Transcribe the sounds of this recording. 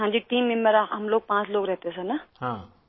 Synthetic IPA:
ɦãːɲd͡ʑiʈiːmːɪmːeɾaɦɐmloːɡ̚pãːt͡ʃloːɡɾɛɦt̪esɛ̃naɦãː

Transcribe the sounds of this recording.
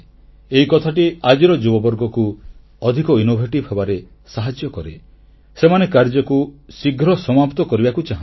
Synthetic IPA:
eikɔt̪ʰaʈiad͡ʒiɾɔd͡ʒubɔbɔɾɡɔku | ɔd̪ʱikɔinobʱeʈibʱɦebaɾe | saɦad͡ʒjɔkɔɾe | semanekaɾd͡ʒɔkusiɡʱɾɔsɔmapt̪ɔkɔɾibakut͡ʃaɦã

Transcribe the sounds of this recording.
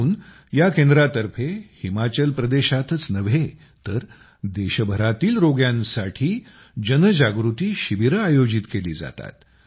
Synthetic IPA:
n | jakẽnd̪ɾat̪əɾfʰehimat͡ɕəlpɾəd̪eɕat̪ət͡snəʋe | t̪əɾ | d̪eɕəbʱəɾat̪iːlɾoɡjãnsaʈʰiː | d͡ʑənəd͡ʑaɡɾut̪iːɕiʋiɾəajod͡ʑit̪kelḭːd͡za̰t̪a̰t̪

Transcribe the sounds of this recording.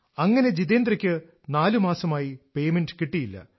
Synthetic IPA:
ɐŋːɐne̞d͡ʑiðeːnd̪rɐkʲːɨ | naːlumaːsɐmaːjipe̞jmenɖkiʈːijilːɐ̰

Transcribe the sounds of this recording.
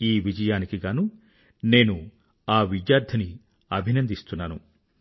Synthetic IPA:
iːʋid͡ʒɐjaːnikiɡaːnu | ne̞ːnu | aːʋidjaːɾd̪ʱʰɐni | ɐbʱinɐnd̪ist̪unːaːnu

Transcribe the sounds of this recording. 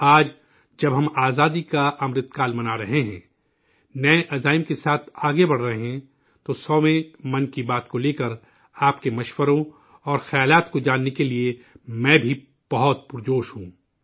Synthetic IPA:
aːd͡ʒ | d͡ʒɐbɦɐmaːzaːd̪ikaʔɐmɾɪd̪̚kaːlmɐnaːɾɐɦeɦɛ̰̃ː | nɐeʔɐzaːɪmkesaːt̪ʰaːɡebɐɽ̤ɾɐɦeɦɛ̃ | t̪osɔːmẽmɐ̃nkibaːt̪koleːkəɾ | aːpkemɐʃwəɾõ | ɔːɾxɐjaːlaːt̪kod͡ʒaːnːekelie | mɛ̃ːbʱi | b̥ɐɦɔt̪̚pʊɾd͡ʒoːʃɦũː

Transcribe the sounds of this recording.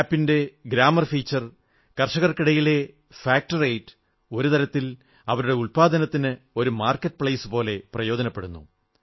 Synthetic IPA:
pːinde̞ɡɾaːmɐrfiːt͡ɕːɐr | kɐrʂɐɣɐrkiɽɐjile̞ | faːk̚ʈɐrejtːɨ̥ | o̞ɾut̪ɐɾɐt̪ːil | ɐʋɐɾuɽe̞uɭpaːd̪ɐnɐt̪ːinɨ | o̞ɾumaːrkːɐʈːɨpɭɐjsɨpo̞ːle̞prɐjo̞ːd̪ɐnɐpːe̞ɽunːṵ

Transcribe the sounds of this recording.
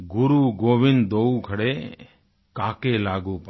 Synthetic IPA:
ɡʊɾuːɡoːʋɪnd̪oukʰəɽeː | kaːkeːlaːɡuːp

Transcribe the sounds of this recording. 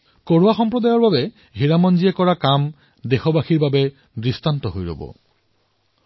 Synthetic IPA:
koɹowaxɔmpɹɔdajɔɹbabɛ | ɦiɹamɔnziɛkɔɹakam | dexɔbaxiɹbabɛ | dɹistantɔɦojɹo̰bɔ̰

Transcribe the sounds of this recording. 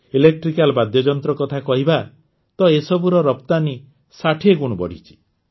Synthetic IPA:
ilek̚ʈɾikalbad̪jɔd͡ʒɔnt̪ɾɔkɔt̪ʰakɔɦiba | t̪ɔesɔbuɾɔɾɔpt̪ani | saʈʰekuɽ̃ubɔ̰ɽ̤it͡ʃʰi̥

